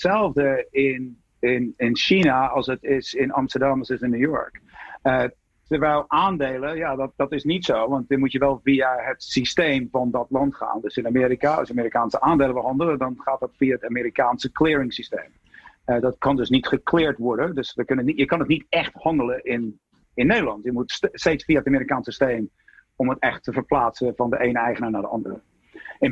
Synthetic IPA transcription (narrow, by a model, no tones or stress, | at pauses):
sɛlˠvdəɪn | ɪnɪnʃinaɔlˠsətɪsɪnɑ̰mstəɹdamɔsɪsɪnːujɔ̰ɹkə | təʋɛlˠaːndeːlˠəjadɔd̥ɔtɪsnitsoːʋɑnt̚dɪmutjəʋɛlˠfiəhətsisteːmfɔndɔtlɑntχa̰ːndøsɪnamɪːɾikaɑ̰sjəamiːɾikaːnsəʔaːndeːləʋəlˠɦɑndəlˠədɔnχaːt̚dɔtfiaətameːɾikaːnsəklɪːəɹɪŋsistḛːm | ɛdɔtkɑndøsnitχəklɪːɹtʋɔɹdədøsʋəkønəjəkɑnətnitɛxthɑndələʔɪn | ɪnːedəlɑntjəmutsteːtsfiaətamiːɾikaːnsəsteːm | omətɛxtʰːəvərplaːsəvɔndəʔeːnəɛjχənaːnadə̰ʔɑ̰ndərə